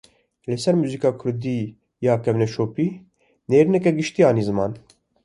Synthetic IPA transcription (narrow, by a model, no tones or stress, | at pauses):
lɪsɛɾmuːzikɑːkʰʊɾd̪iː | jɑːkɛvnɛʃoːpiː | neːɾinɛkɛɡɪʃt̪ijɑːnizɨmɑ̰ːn